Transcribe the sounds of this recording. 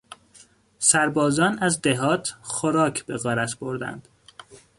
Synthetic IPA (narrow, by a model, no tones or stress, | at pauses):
sæɾbɒːzɒːnæzd̪eɦɒːt̪ʰxoɾɒːcʰb̥eɣɒːɾæt̪ʰb̥o̞ɾd̪æ̰nd̪̥